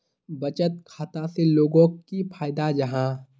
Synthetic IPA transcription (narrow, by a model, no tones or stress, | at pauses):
bɐt͡ʃət̪̚kʰaːt̪aseloːɡõkipʰaːɪd̪ad͡ʒɐɦãː